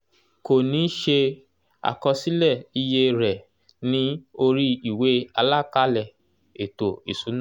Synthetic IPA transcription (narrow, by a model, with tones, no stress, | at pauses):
ko˨nĩ˨˦ʃe˧ | a̰˨kɔ˧si˦lɛ˦˨i˧je˧ɾɛ˨ | nĩ˦o˧ɾi˦i˨we˨˦a˧la˦ka˦lɛ˦˨ | e˨to˨ḭ˨su˨˦nã˦˨